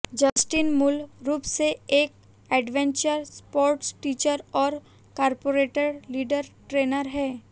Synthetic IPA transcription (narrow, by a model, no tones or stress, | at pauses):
d͡ʒɐsʈinmʊlɾuːpseeːk̚ | ɛːɖʋɛ̃ɲt͡ʃəɾspoːɾʈsʈiːt͡ʃəɾɔːɾ | kaːɾpoːɾeːʈəɖliːɖəɾʈɾeːnəɾɦɛː